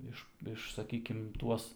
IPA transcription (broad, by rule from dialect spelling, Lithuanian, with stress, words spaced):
ˈɪʃ ˈɪʃ sɐˈkʲiːkʲɪm ˈtuɔs